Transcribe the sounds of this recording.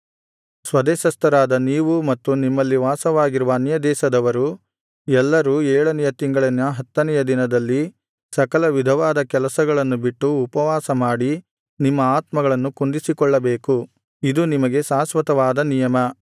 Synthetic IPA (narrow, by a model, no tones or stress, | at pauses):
sʋɐd̪ɛːʃɐst̪ɐɾaːd̪ɐniːʋumɐt̪ːunimːɐlːiʋaːsɐʋaːɡiɾuʋɐːnjɐd̪ɛːʃɐd̪ɐʋɐɾu | ɛlːɐɾuːɛːɭɐnɛjɐt̪iŋɡɐɭinːɐɦɐt̪ːɐnɛjɐd̪inɐd̪ɐlːi | sɐkɐlɐʋid̪ʱɐʋaːd̪ɐkɛlɐsɐɡɐɭɐnːubiʈːuːpɐʋaːsɐmaːɽi | nimːɐaːt̪mɐɡɐɭɐnːukund̪isikɔɭːɐbeːku | id̪unimɐɡe̞saːsʋɐt̪ɐʋaːd̪ɐnijɐmɐ